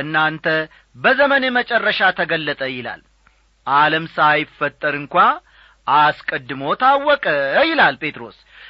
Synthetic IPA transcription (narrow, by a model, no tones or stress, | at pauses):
ɨnːant̪ʰə | bəzəmənemət͡ʃʼɛrːəʃat̪ʰəɡəlːət̪ʼəjɪla̰l | ʔaləmsajɪfət̪ʼːəɾɨŋkʷa | ʔaskʼəd̪ːɨmo̞t̪ʰawːɔkʼəjɪlalpʰʼe̞t̪ɾo̞̰s